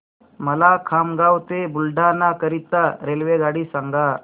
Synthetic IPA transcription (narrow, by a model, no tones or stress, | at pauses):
məlakʰamɡawt̪ebulɖanakəɾit̪ːaɾelʋeɡaɽisaŋɡa